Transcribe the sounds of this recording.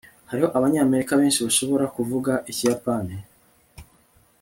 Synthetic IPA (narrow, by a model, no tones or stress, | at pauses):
haɾiho̞ʔaβaɲaːme̞ɾikaβe̞ːnʃiβaʃo̞βo̞ɾakuvuɡaʔicijapani